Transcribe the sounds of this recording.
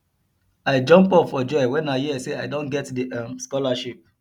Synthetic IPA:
aɪd͡ʒɔ̃mpɔpfɔd͡ʒɔwɛ̃najiɛseaɪdõnɡɛtdiãmskɔlaʃip̚

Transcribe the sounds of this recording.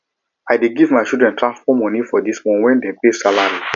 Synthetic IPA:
ajdeɡivmaɪt͡ʃidɹɛ̃ntʰɹãnspɔmɔ̃nifɔdismɔ̃nwɛ̃ndepesalaɹi

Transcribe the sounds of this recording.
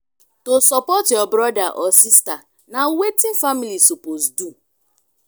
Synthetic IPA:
tosɔpɔtɪɔbɾɔdaʔɔsista | nawetin̩familisupozdu

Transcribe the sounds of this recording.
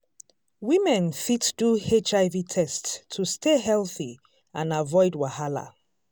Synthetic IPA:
wimɛ̃nfitd̥uet͡ʃaɪvitʰɛstʰːustʰeɦɛlˠθi | ãnavɔɪdwahala̰

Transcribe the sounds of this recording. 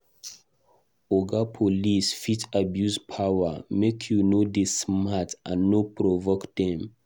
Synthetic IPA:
oɡapʰolisfitabjuspʰawamekʰjunodesmatã̰nːopɹɔvokd̪ɛ̃m

